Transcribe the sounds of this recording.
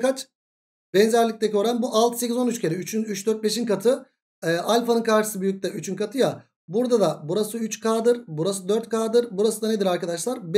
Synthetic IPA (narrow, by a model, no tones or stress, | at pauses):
kat͡ʃ | bɛnzæɾlʲic̚t̪ɛcʰøɾanbuʔalˠt̪ʰɯ̥se̞cizonyt͡ʃcʰeɾiyt͡ʃʰynyt͡ʃd̪øɾt̪̚be̞ʃinkat̪ʰɯ | ɛːʔalʲfanɯnkʰaɾʃɯ̥sɯbyjyc̚t̪ʰɛyt͡ʃʰynkʰat̪ʰɯja | buɾd̪ad̪abuɾasɯyt͡ʃkʰaːd̪ɯɾbuɾasɯd̪øɾt̪̚kʰaːd̪ɯɾbuɾasɯd̪aned̪iɾaɾkad̪aʃlˠaɾb